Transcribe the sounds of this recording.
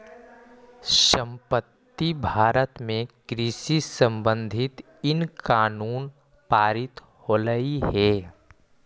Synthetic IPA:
ʃə̃mpət̪ːibʱaːɾət̪mẽɡɾɪsisə̃mbə̃nd̪ʱɪt̪ | ɪnkaːnuːn | paːɾɪt̪ | hoːɾəiɦɛː

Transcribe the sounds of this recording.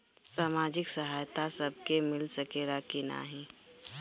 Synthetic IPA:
saːmaːd͡ʒɪksɐɦaːjt̪asɐb̚kemɪlsɐkeɾakina̰ːɦĩː

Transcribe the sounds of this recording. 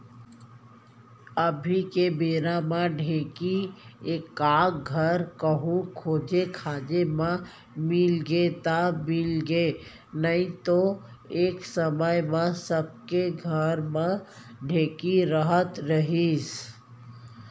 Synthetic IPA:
əbʱikebeːɾamãɖʱẽːkieːkːaːɡʱəɾkəɦũkʰoːd͡ʒekʰaːd͡ʒemã | mɪlɡet̪amɪlɡeː | nəĩt̪o | eːksəməjmẽsəb̚keɡʱəɾmã | ɖʱẽːkiɾəɦət̪ɾəɦiːs

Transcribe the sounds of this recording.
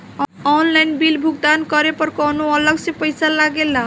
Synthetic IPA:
ɔnlajnbilbʱuɡ̚d̪ankɔɾepɔɾkɔnoɔləɡsepəjsalaɡela

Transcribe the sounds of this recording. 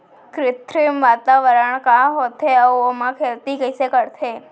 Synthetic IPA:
kɾɪt̪ʰɾimʋat̪aʋəɾəɳkãɦot̪ʰeəomãkʰelt̪ikəjsekəɽt̪ʰe

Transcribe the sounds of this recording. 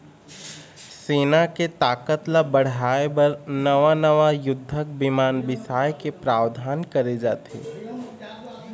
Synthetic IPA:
seːnaket̪aːkət̪labɐɽ̤aːebɐɾnɐʋanɐʋajʊd̪ʱːək̚bɪmaːnbɪsaːjkepɾaːʋd̪ʱaːnkɐɾed͡ʒaːt̪ḛː

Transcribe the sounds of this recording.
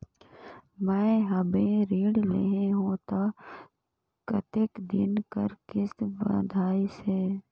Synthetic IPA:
mɛ̃ːɦəbẽɾiːɽlḛːɦeɦũt̪a | kət̪ekd̪ɪ̰nkə̰ɾkɪsbə̰d̪ʱaːiseː

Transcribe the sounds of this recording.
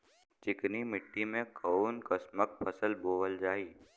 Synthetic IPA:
t͡ʃɪknimɪʈːimẽkʰəunkəsmək̚pʰəsəlboːʋəld͡ʒaːiː

